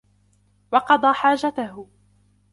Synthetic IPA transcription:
wɑqɑd̪ˤɑːħaːd͡ʒat̪ahʊ

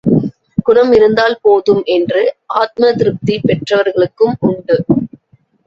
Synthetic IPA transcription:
kʊɾɐmɪɾɯnd̪aːlpoːðɯmʔɛndrɯʔaːt̪̚mɐt̪ɪɾɯp̚t̪ipɛʈrɐʋɐɾɣɐɭɯkːɯmʊɳɖɯ

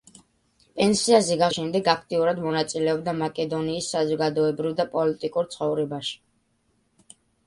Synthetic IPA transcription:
pʼɛnsiazɛɡaʃɛmd̪ɛɡakʰt̪ʼiuɾad̪mɔnat̪sʼilɛɔbd̪amakʼɛd̪ɔniːsːazɔɡad̪ɔɛbɾivd̪apʼɔlit̪ʼikʼuɾt̪sʰχɔvɾɛbaʃi̥

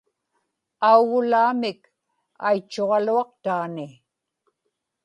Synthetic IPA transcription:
auɣʊlaːmɪk | a̰jt͡ʃːoʁɑluɑqt̪aːnɪ

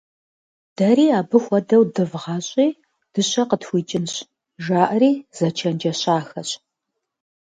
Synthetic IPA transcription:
d̥ɐɾiːaːbɨxʷɔdɐwdɨvʁɑːɕʼiː | d̥ɨɕɐqətxʷiːt͡ʃʼɪnɕ | ʒaːʔɐriːz̥ɐt͡ʃʰɐnd͡ʒɐɕaːxɐɕ

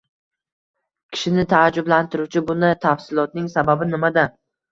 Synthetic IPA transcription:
kʲʰɪ̥ʃɪnɪt̪ʰaːd͡ʒʊblant̪ɪɾut͡ʃʰɪbʊnat̪ʰafsɪlˠɒt̪̚nɪŋsababɪnɪmad̪a

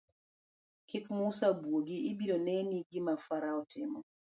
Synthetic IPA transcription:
kɪkmusabwoɡiːbiɾonɛniɡɪmafaɾaɔtʰɪmɔ

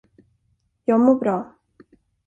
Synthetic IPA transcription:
jɑːɡmoːbɾɑː

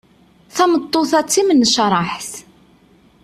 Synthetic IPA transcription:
θæmət̪ˤːoθæt͡sːimənːəʃɾˤɑħθ

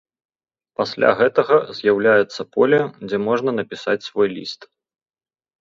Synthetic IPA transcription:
pasʲlʲa̰ɣɛt̪ɐɣɐzʲjawlʲajut̪sːɐpɔlʲɐd͡zʲɛmɔʐnɐnɐpʲisat͡sʲsvɔjlʲḭst̪

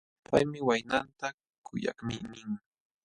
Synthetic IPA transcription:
pajmɪwajnant̪a | kʊja̰kmɪnɪŋ

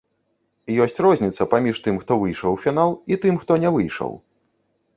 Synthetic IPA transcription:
jɔsʲt͡sʲrɔzʲnʲit̪sɐpamʲiʂt̪ɨmxt̪ɔvɨjʂɔwfʲinalˠit̪ɨmxt̪ɔnʲɛvɨjʂɔ̰w

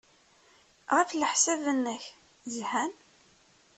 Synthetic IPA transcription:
ʁafləħsævənːəç | zhæn

